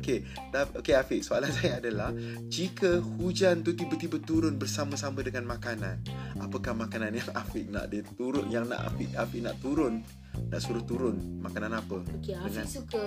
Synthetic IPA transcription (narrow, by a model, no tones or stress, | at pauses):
oke | daokeafɪʔsoalansajaːdalah | d͡ʒikəhud͡ʒant̪ut̪ibat̪ibət̪uɾʊnbərsaməsamədəŋanmãkananapəkahmãkananjaŋafɪʔ̚na̰ʔdit̪uɾʊnjaŋna̰ʔa̰fɪʔafɪʔna̰ʔt̪uɾʊnː | a̰ʔsuɾaht̪uɾʊnmakananapədəŋãn